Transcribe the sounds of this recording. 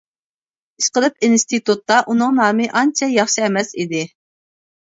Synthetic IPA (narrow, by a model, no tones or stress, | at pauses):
iʃqəlˠɨpinst̪ʰit̪ut̪ːɑʔunɨŋnɑːmɨʔɑnt͡ʃʰɛjɑχʃiɛmɛsid̪ɪ